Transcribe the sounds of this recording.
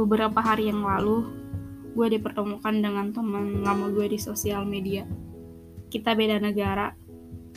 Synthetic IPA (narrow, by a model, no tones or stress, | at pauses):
bəbəɾapaɦaɾijaŋlalu | ɡuadipərt̪əmukandəŋant̪ɔhməŋŋamuɡuadisosialmedia | kit̪abedanəɡaɾa